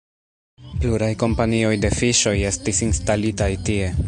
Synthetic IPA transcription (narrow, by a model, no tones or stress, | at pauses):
pluɾajko̞mpanio̞jde̞fiʃo̞je̞stisinstalitajtie̞